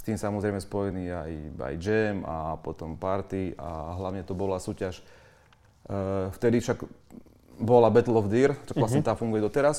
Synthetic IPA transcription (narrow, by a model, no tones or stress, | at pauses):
st̪iːmsamɔzɾɛɪmɛspɔjɛniːa̰ja̰jd͡ʒɛma̰pɔt̪ɔmpaɾt̪ia̰ɦlaʊɲɛt̪ɔbɔlasuːcaʃ | ft̪ɛd̪ifʃaɡ | bɔlabɛt̪lɔvd̪iːɾt͡ʃɔkasɛmt̪aːfuŋɡujɛd̪ɔt̪ɛɾas